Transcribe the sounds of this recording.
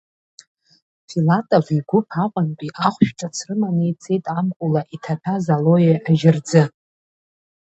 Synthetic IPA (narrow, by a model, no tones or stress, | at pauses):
filatʼoviɡʷʊpʰaqʷʼanpʼiʔaχʷʃᶣʈ͡ʂʼat͡sʰrɨmanejt͡sʰʼejtʼamkʷʼʊlaʔitʰatʰazalo̞jeʔaʒɪrd͡zɨ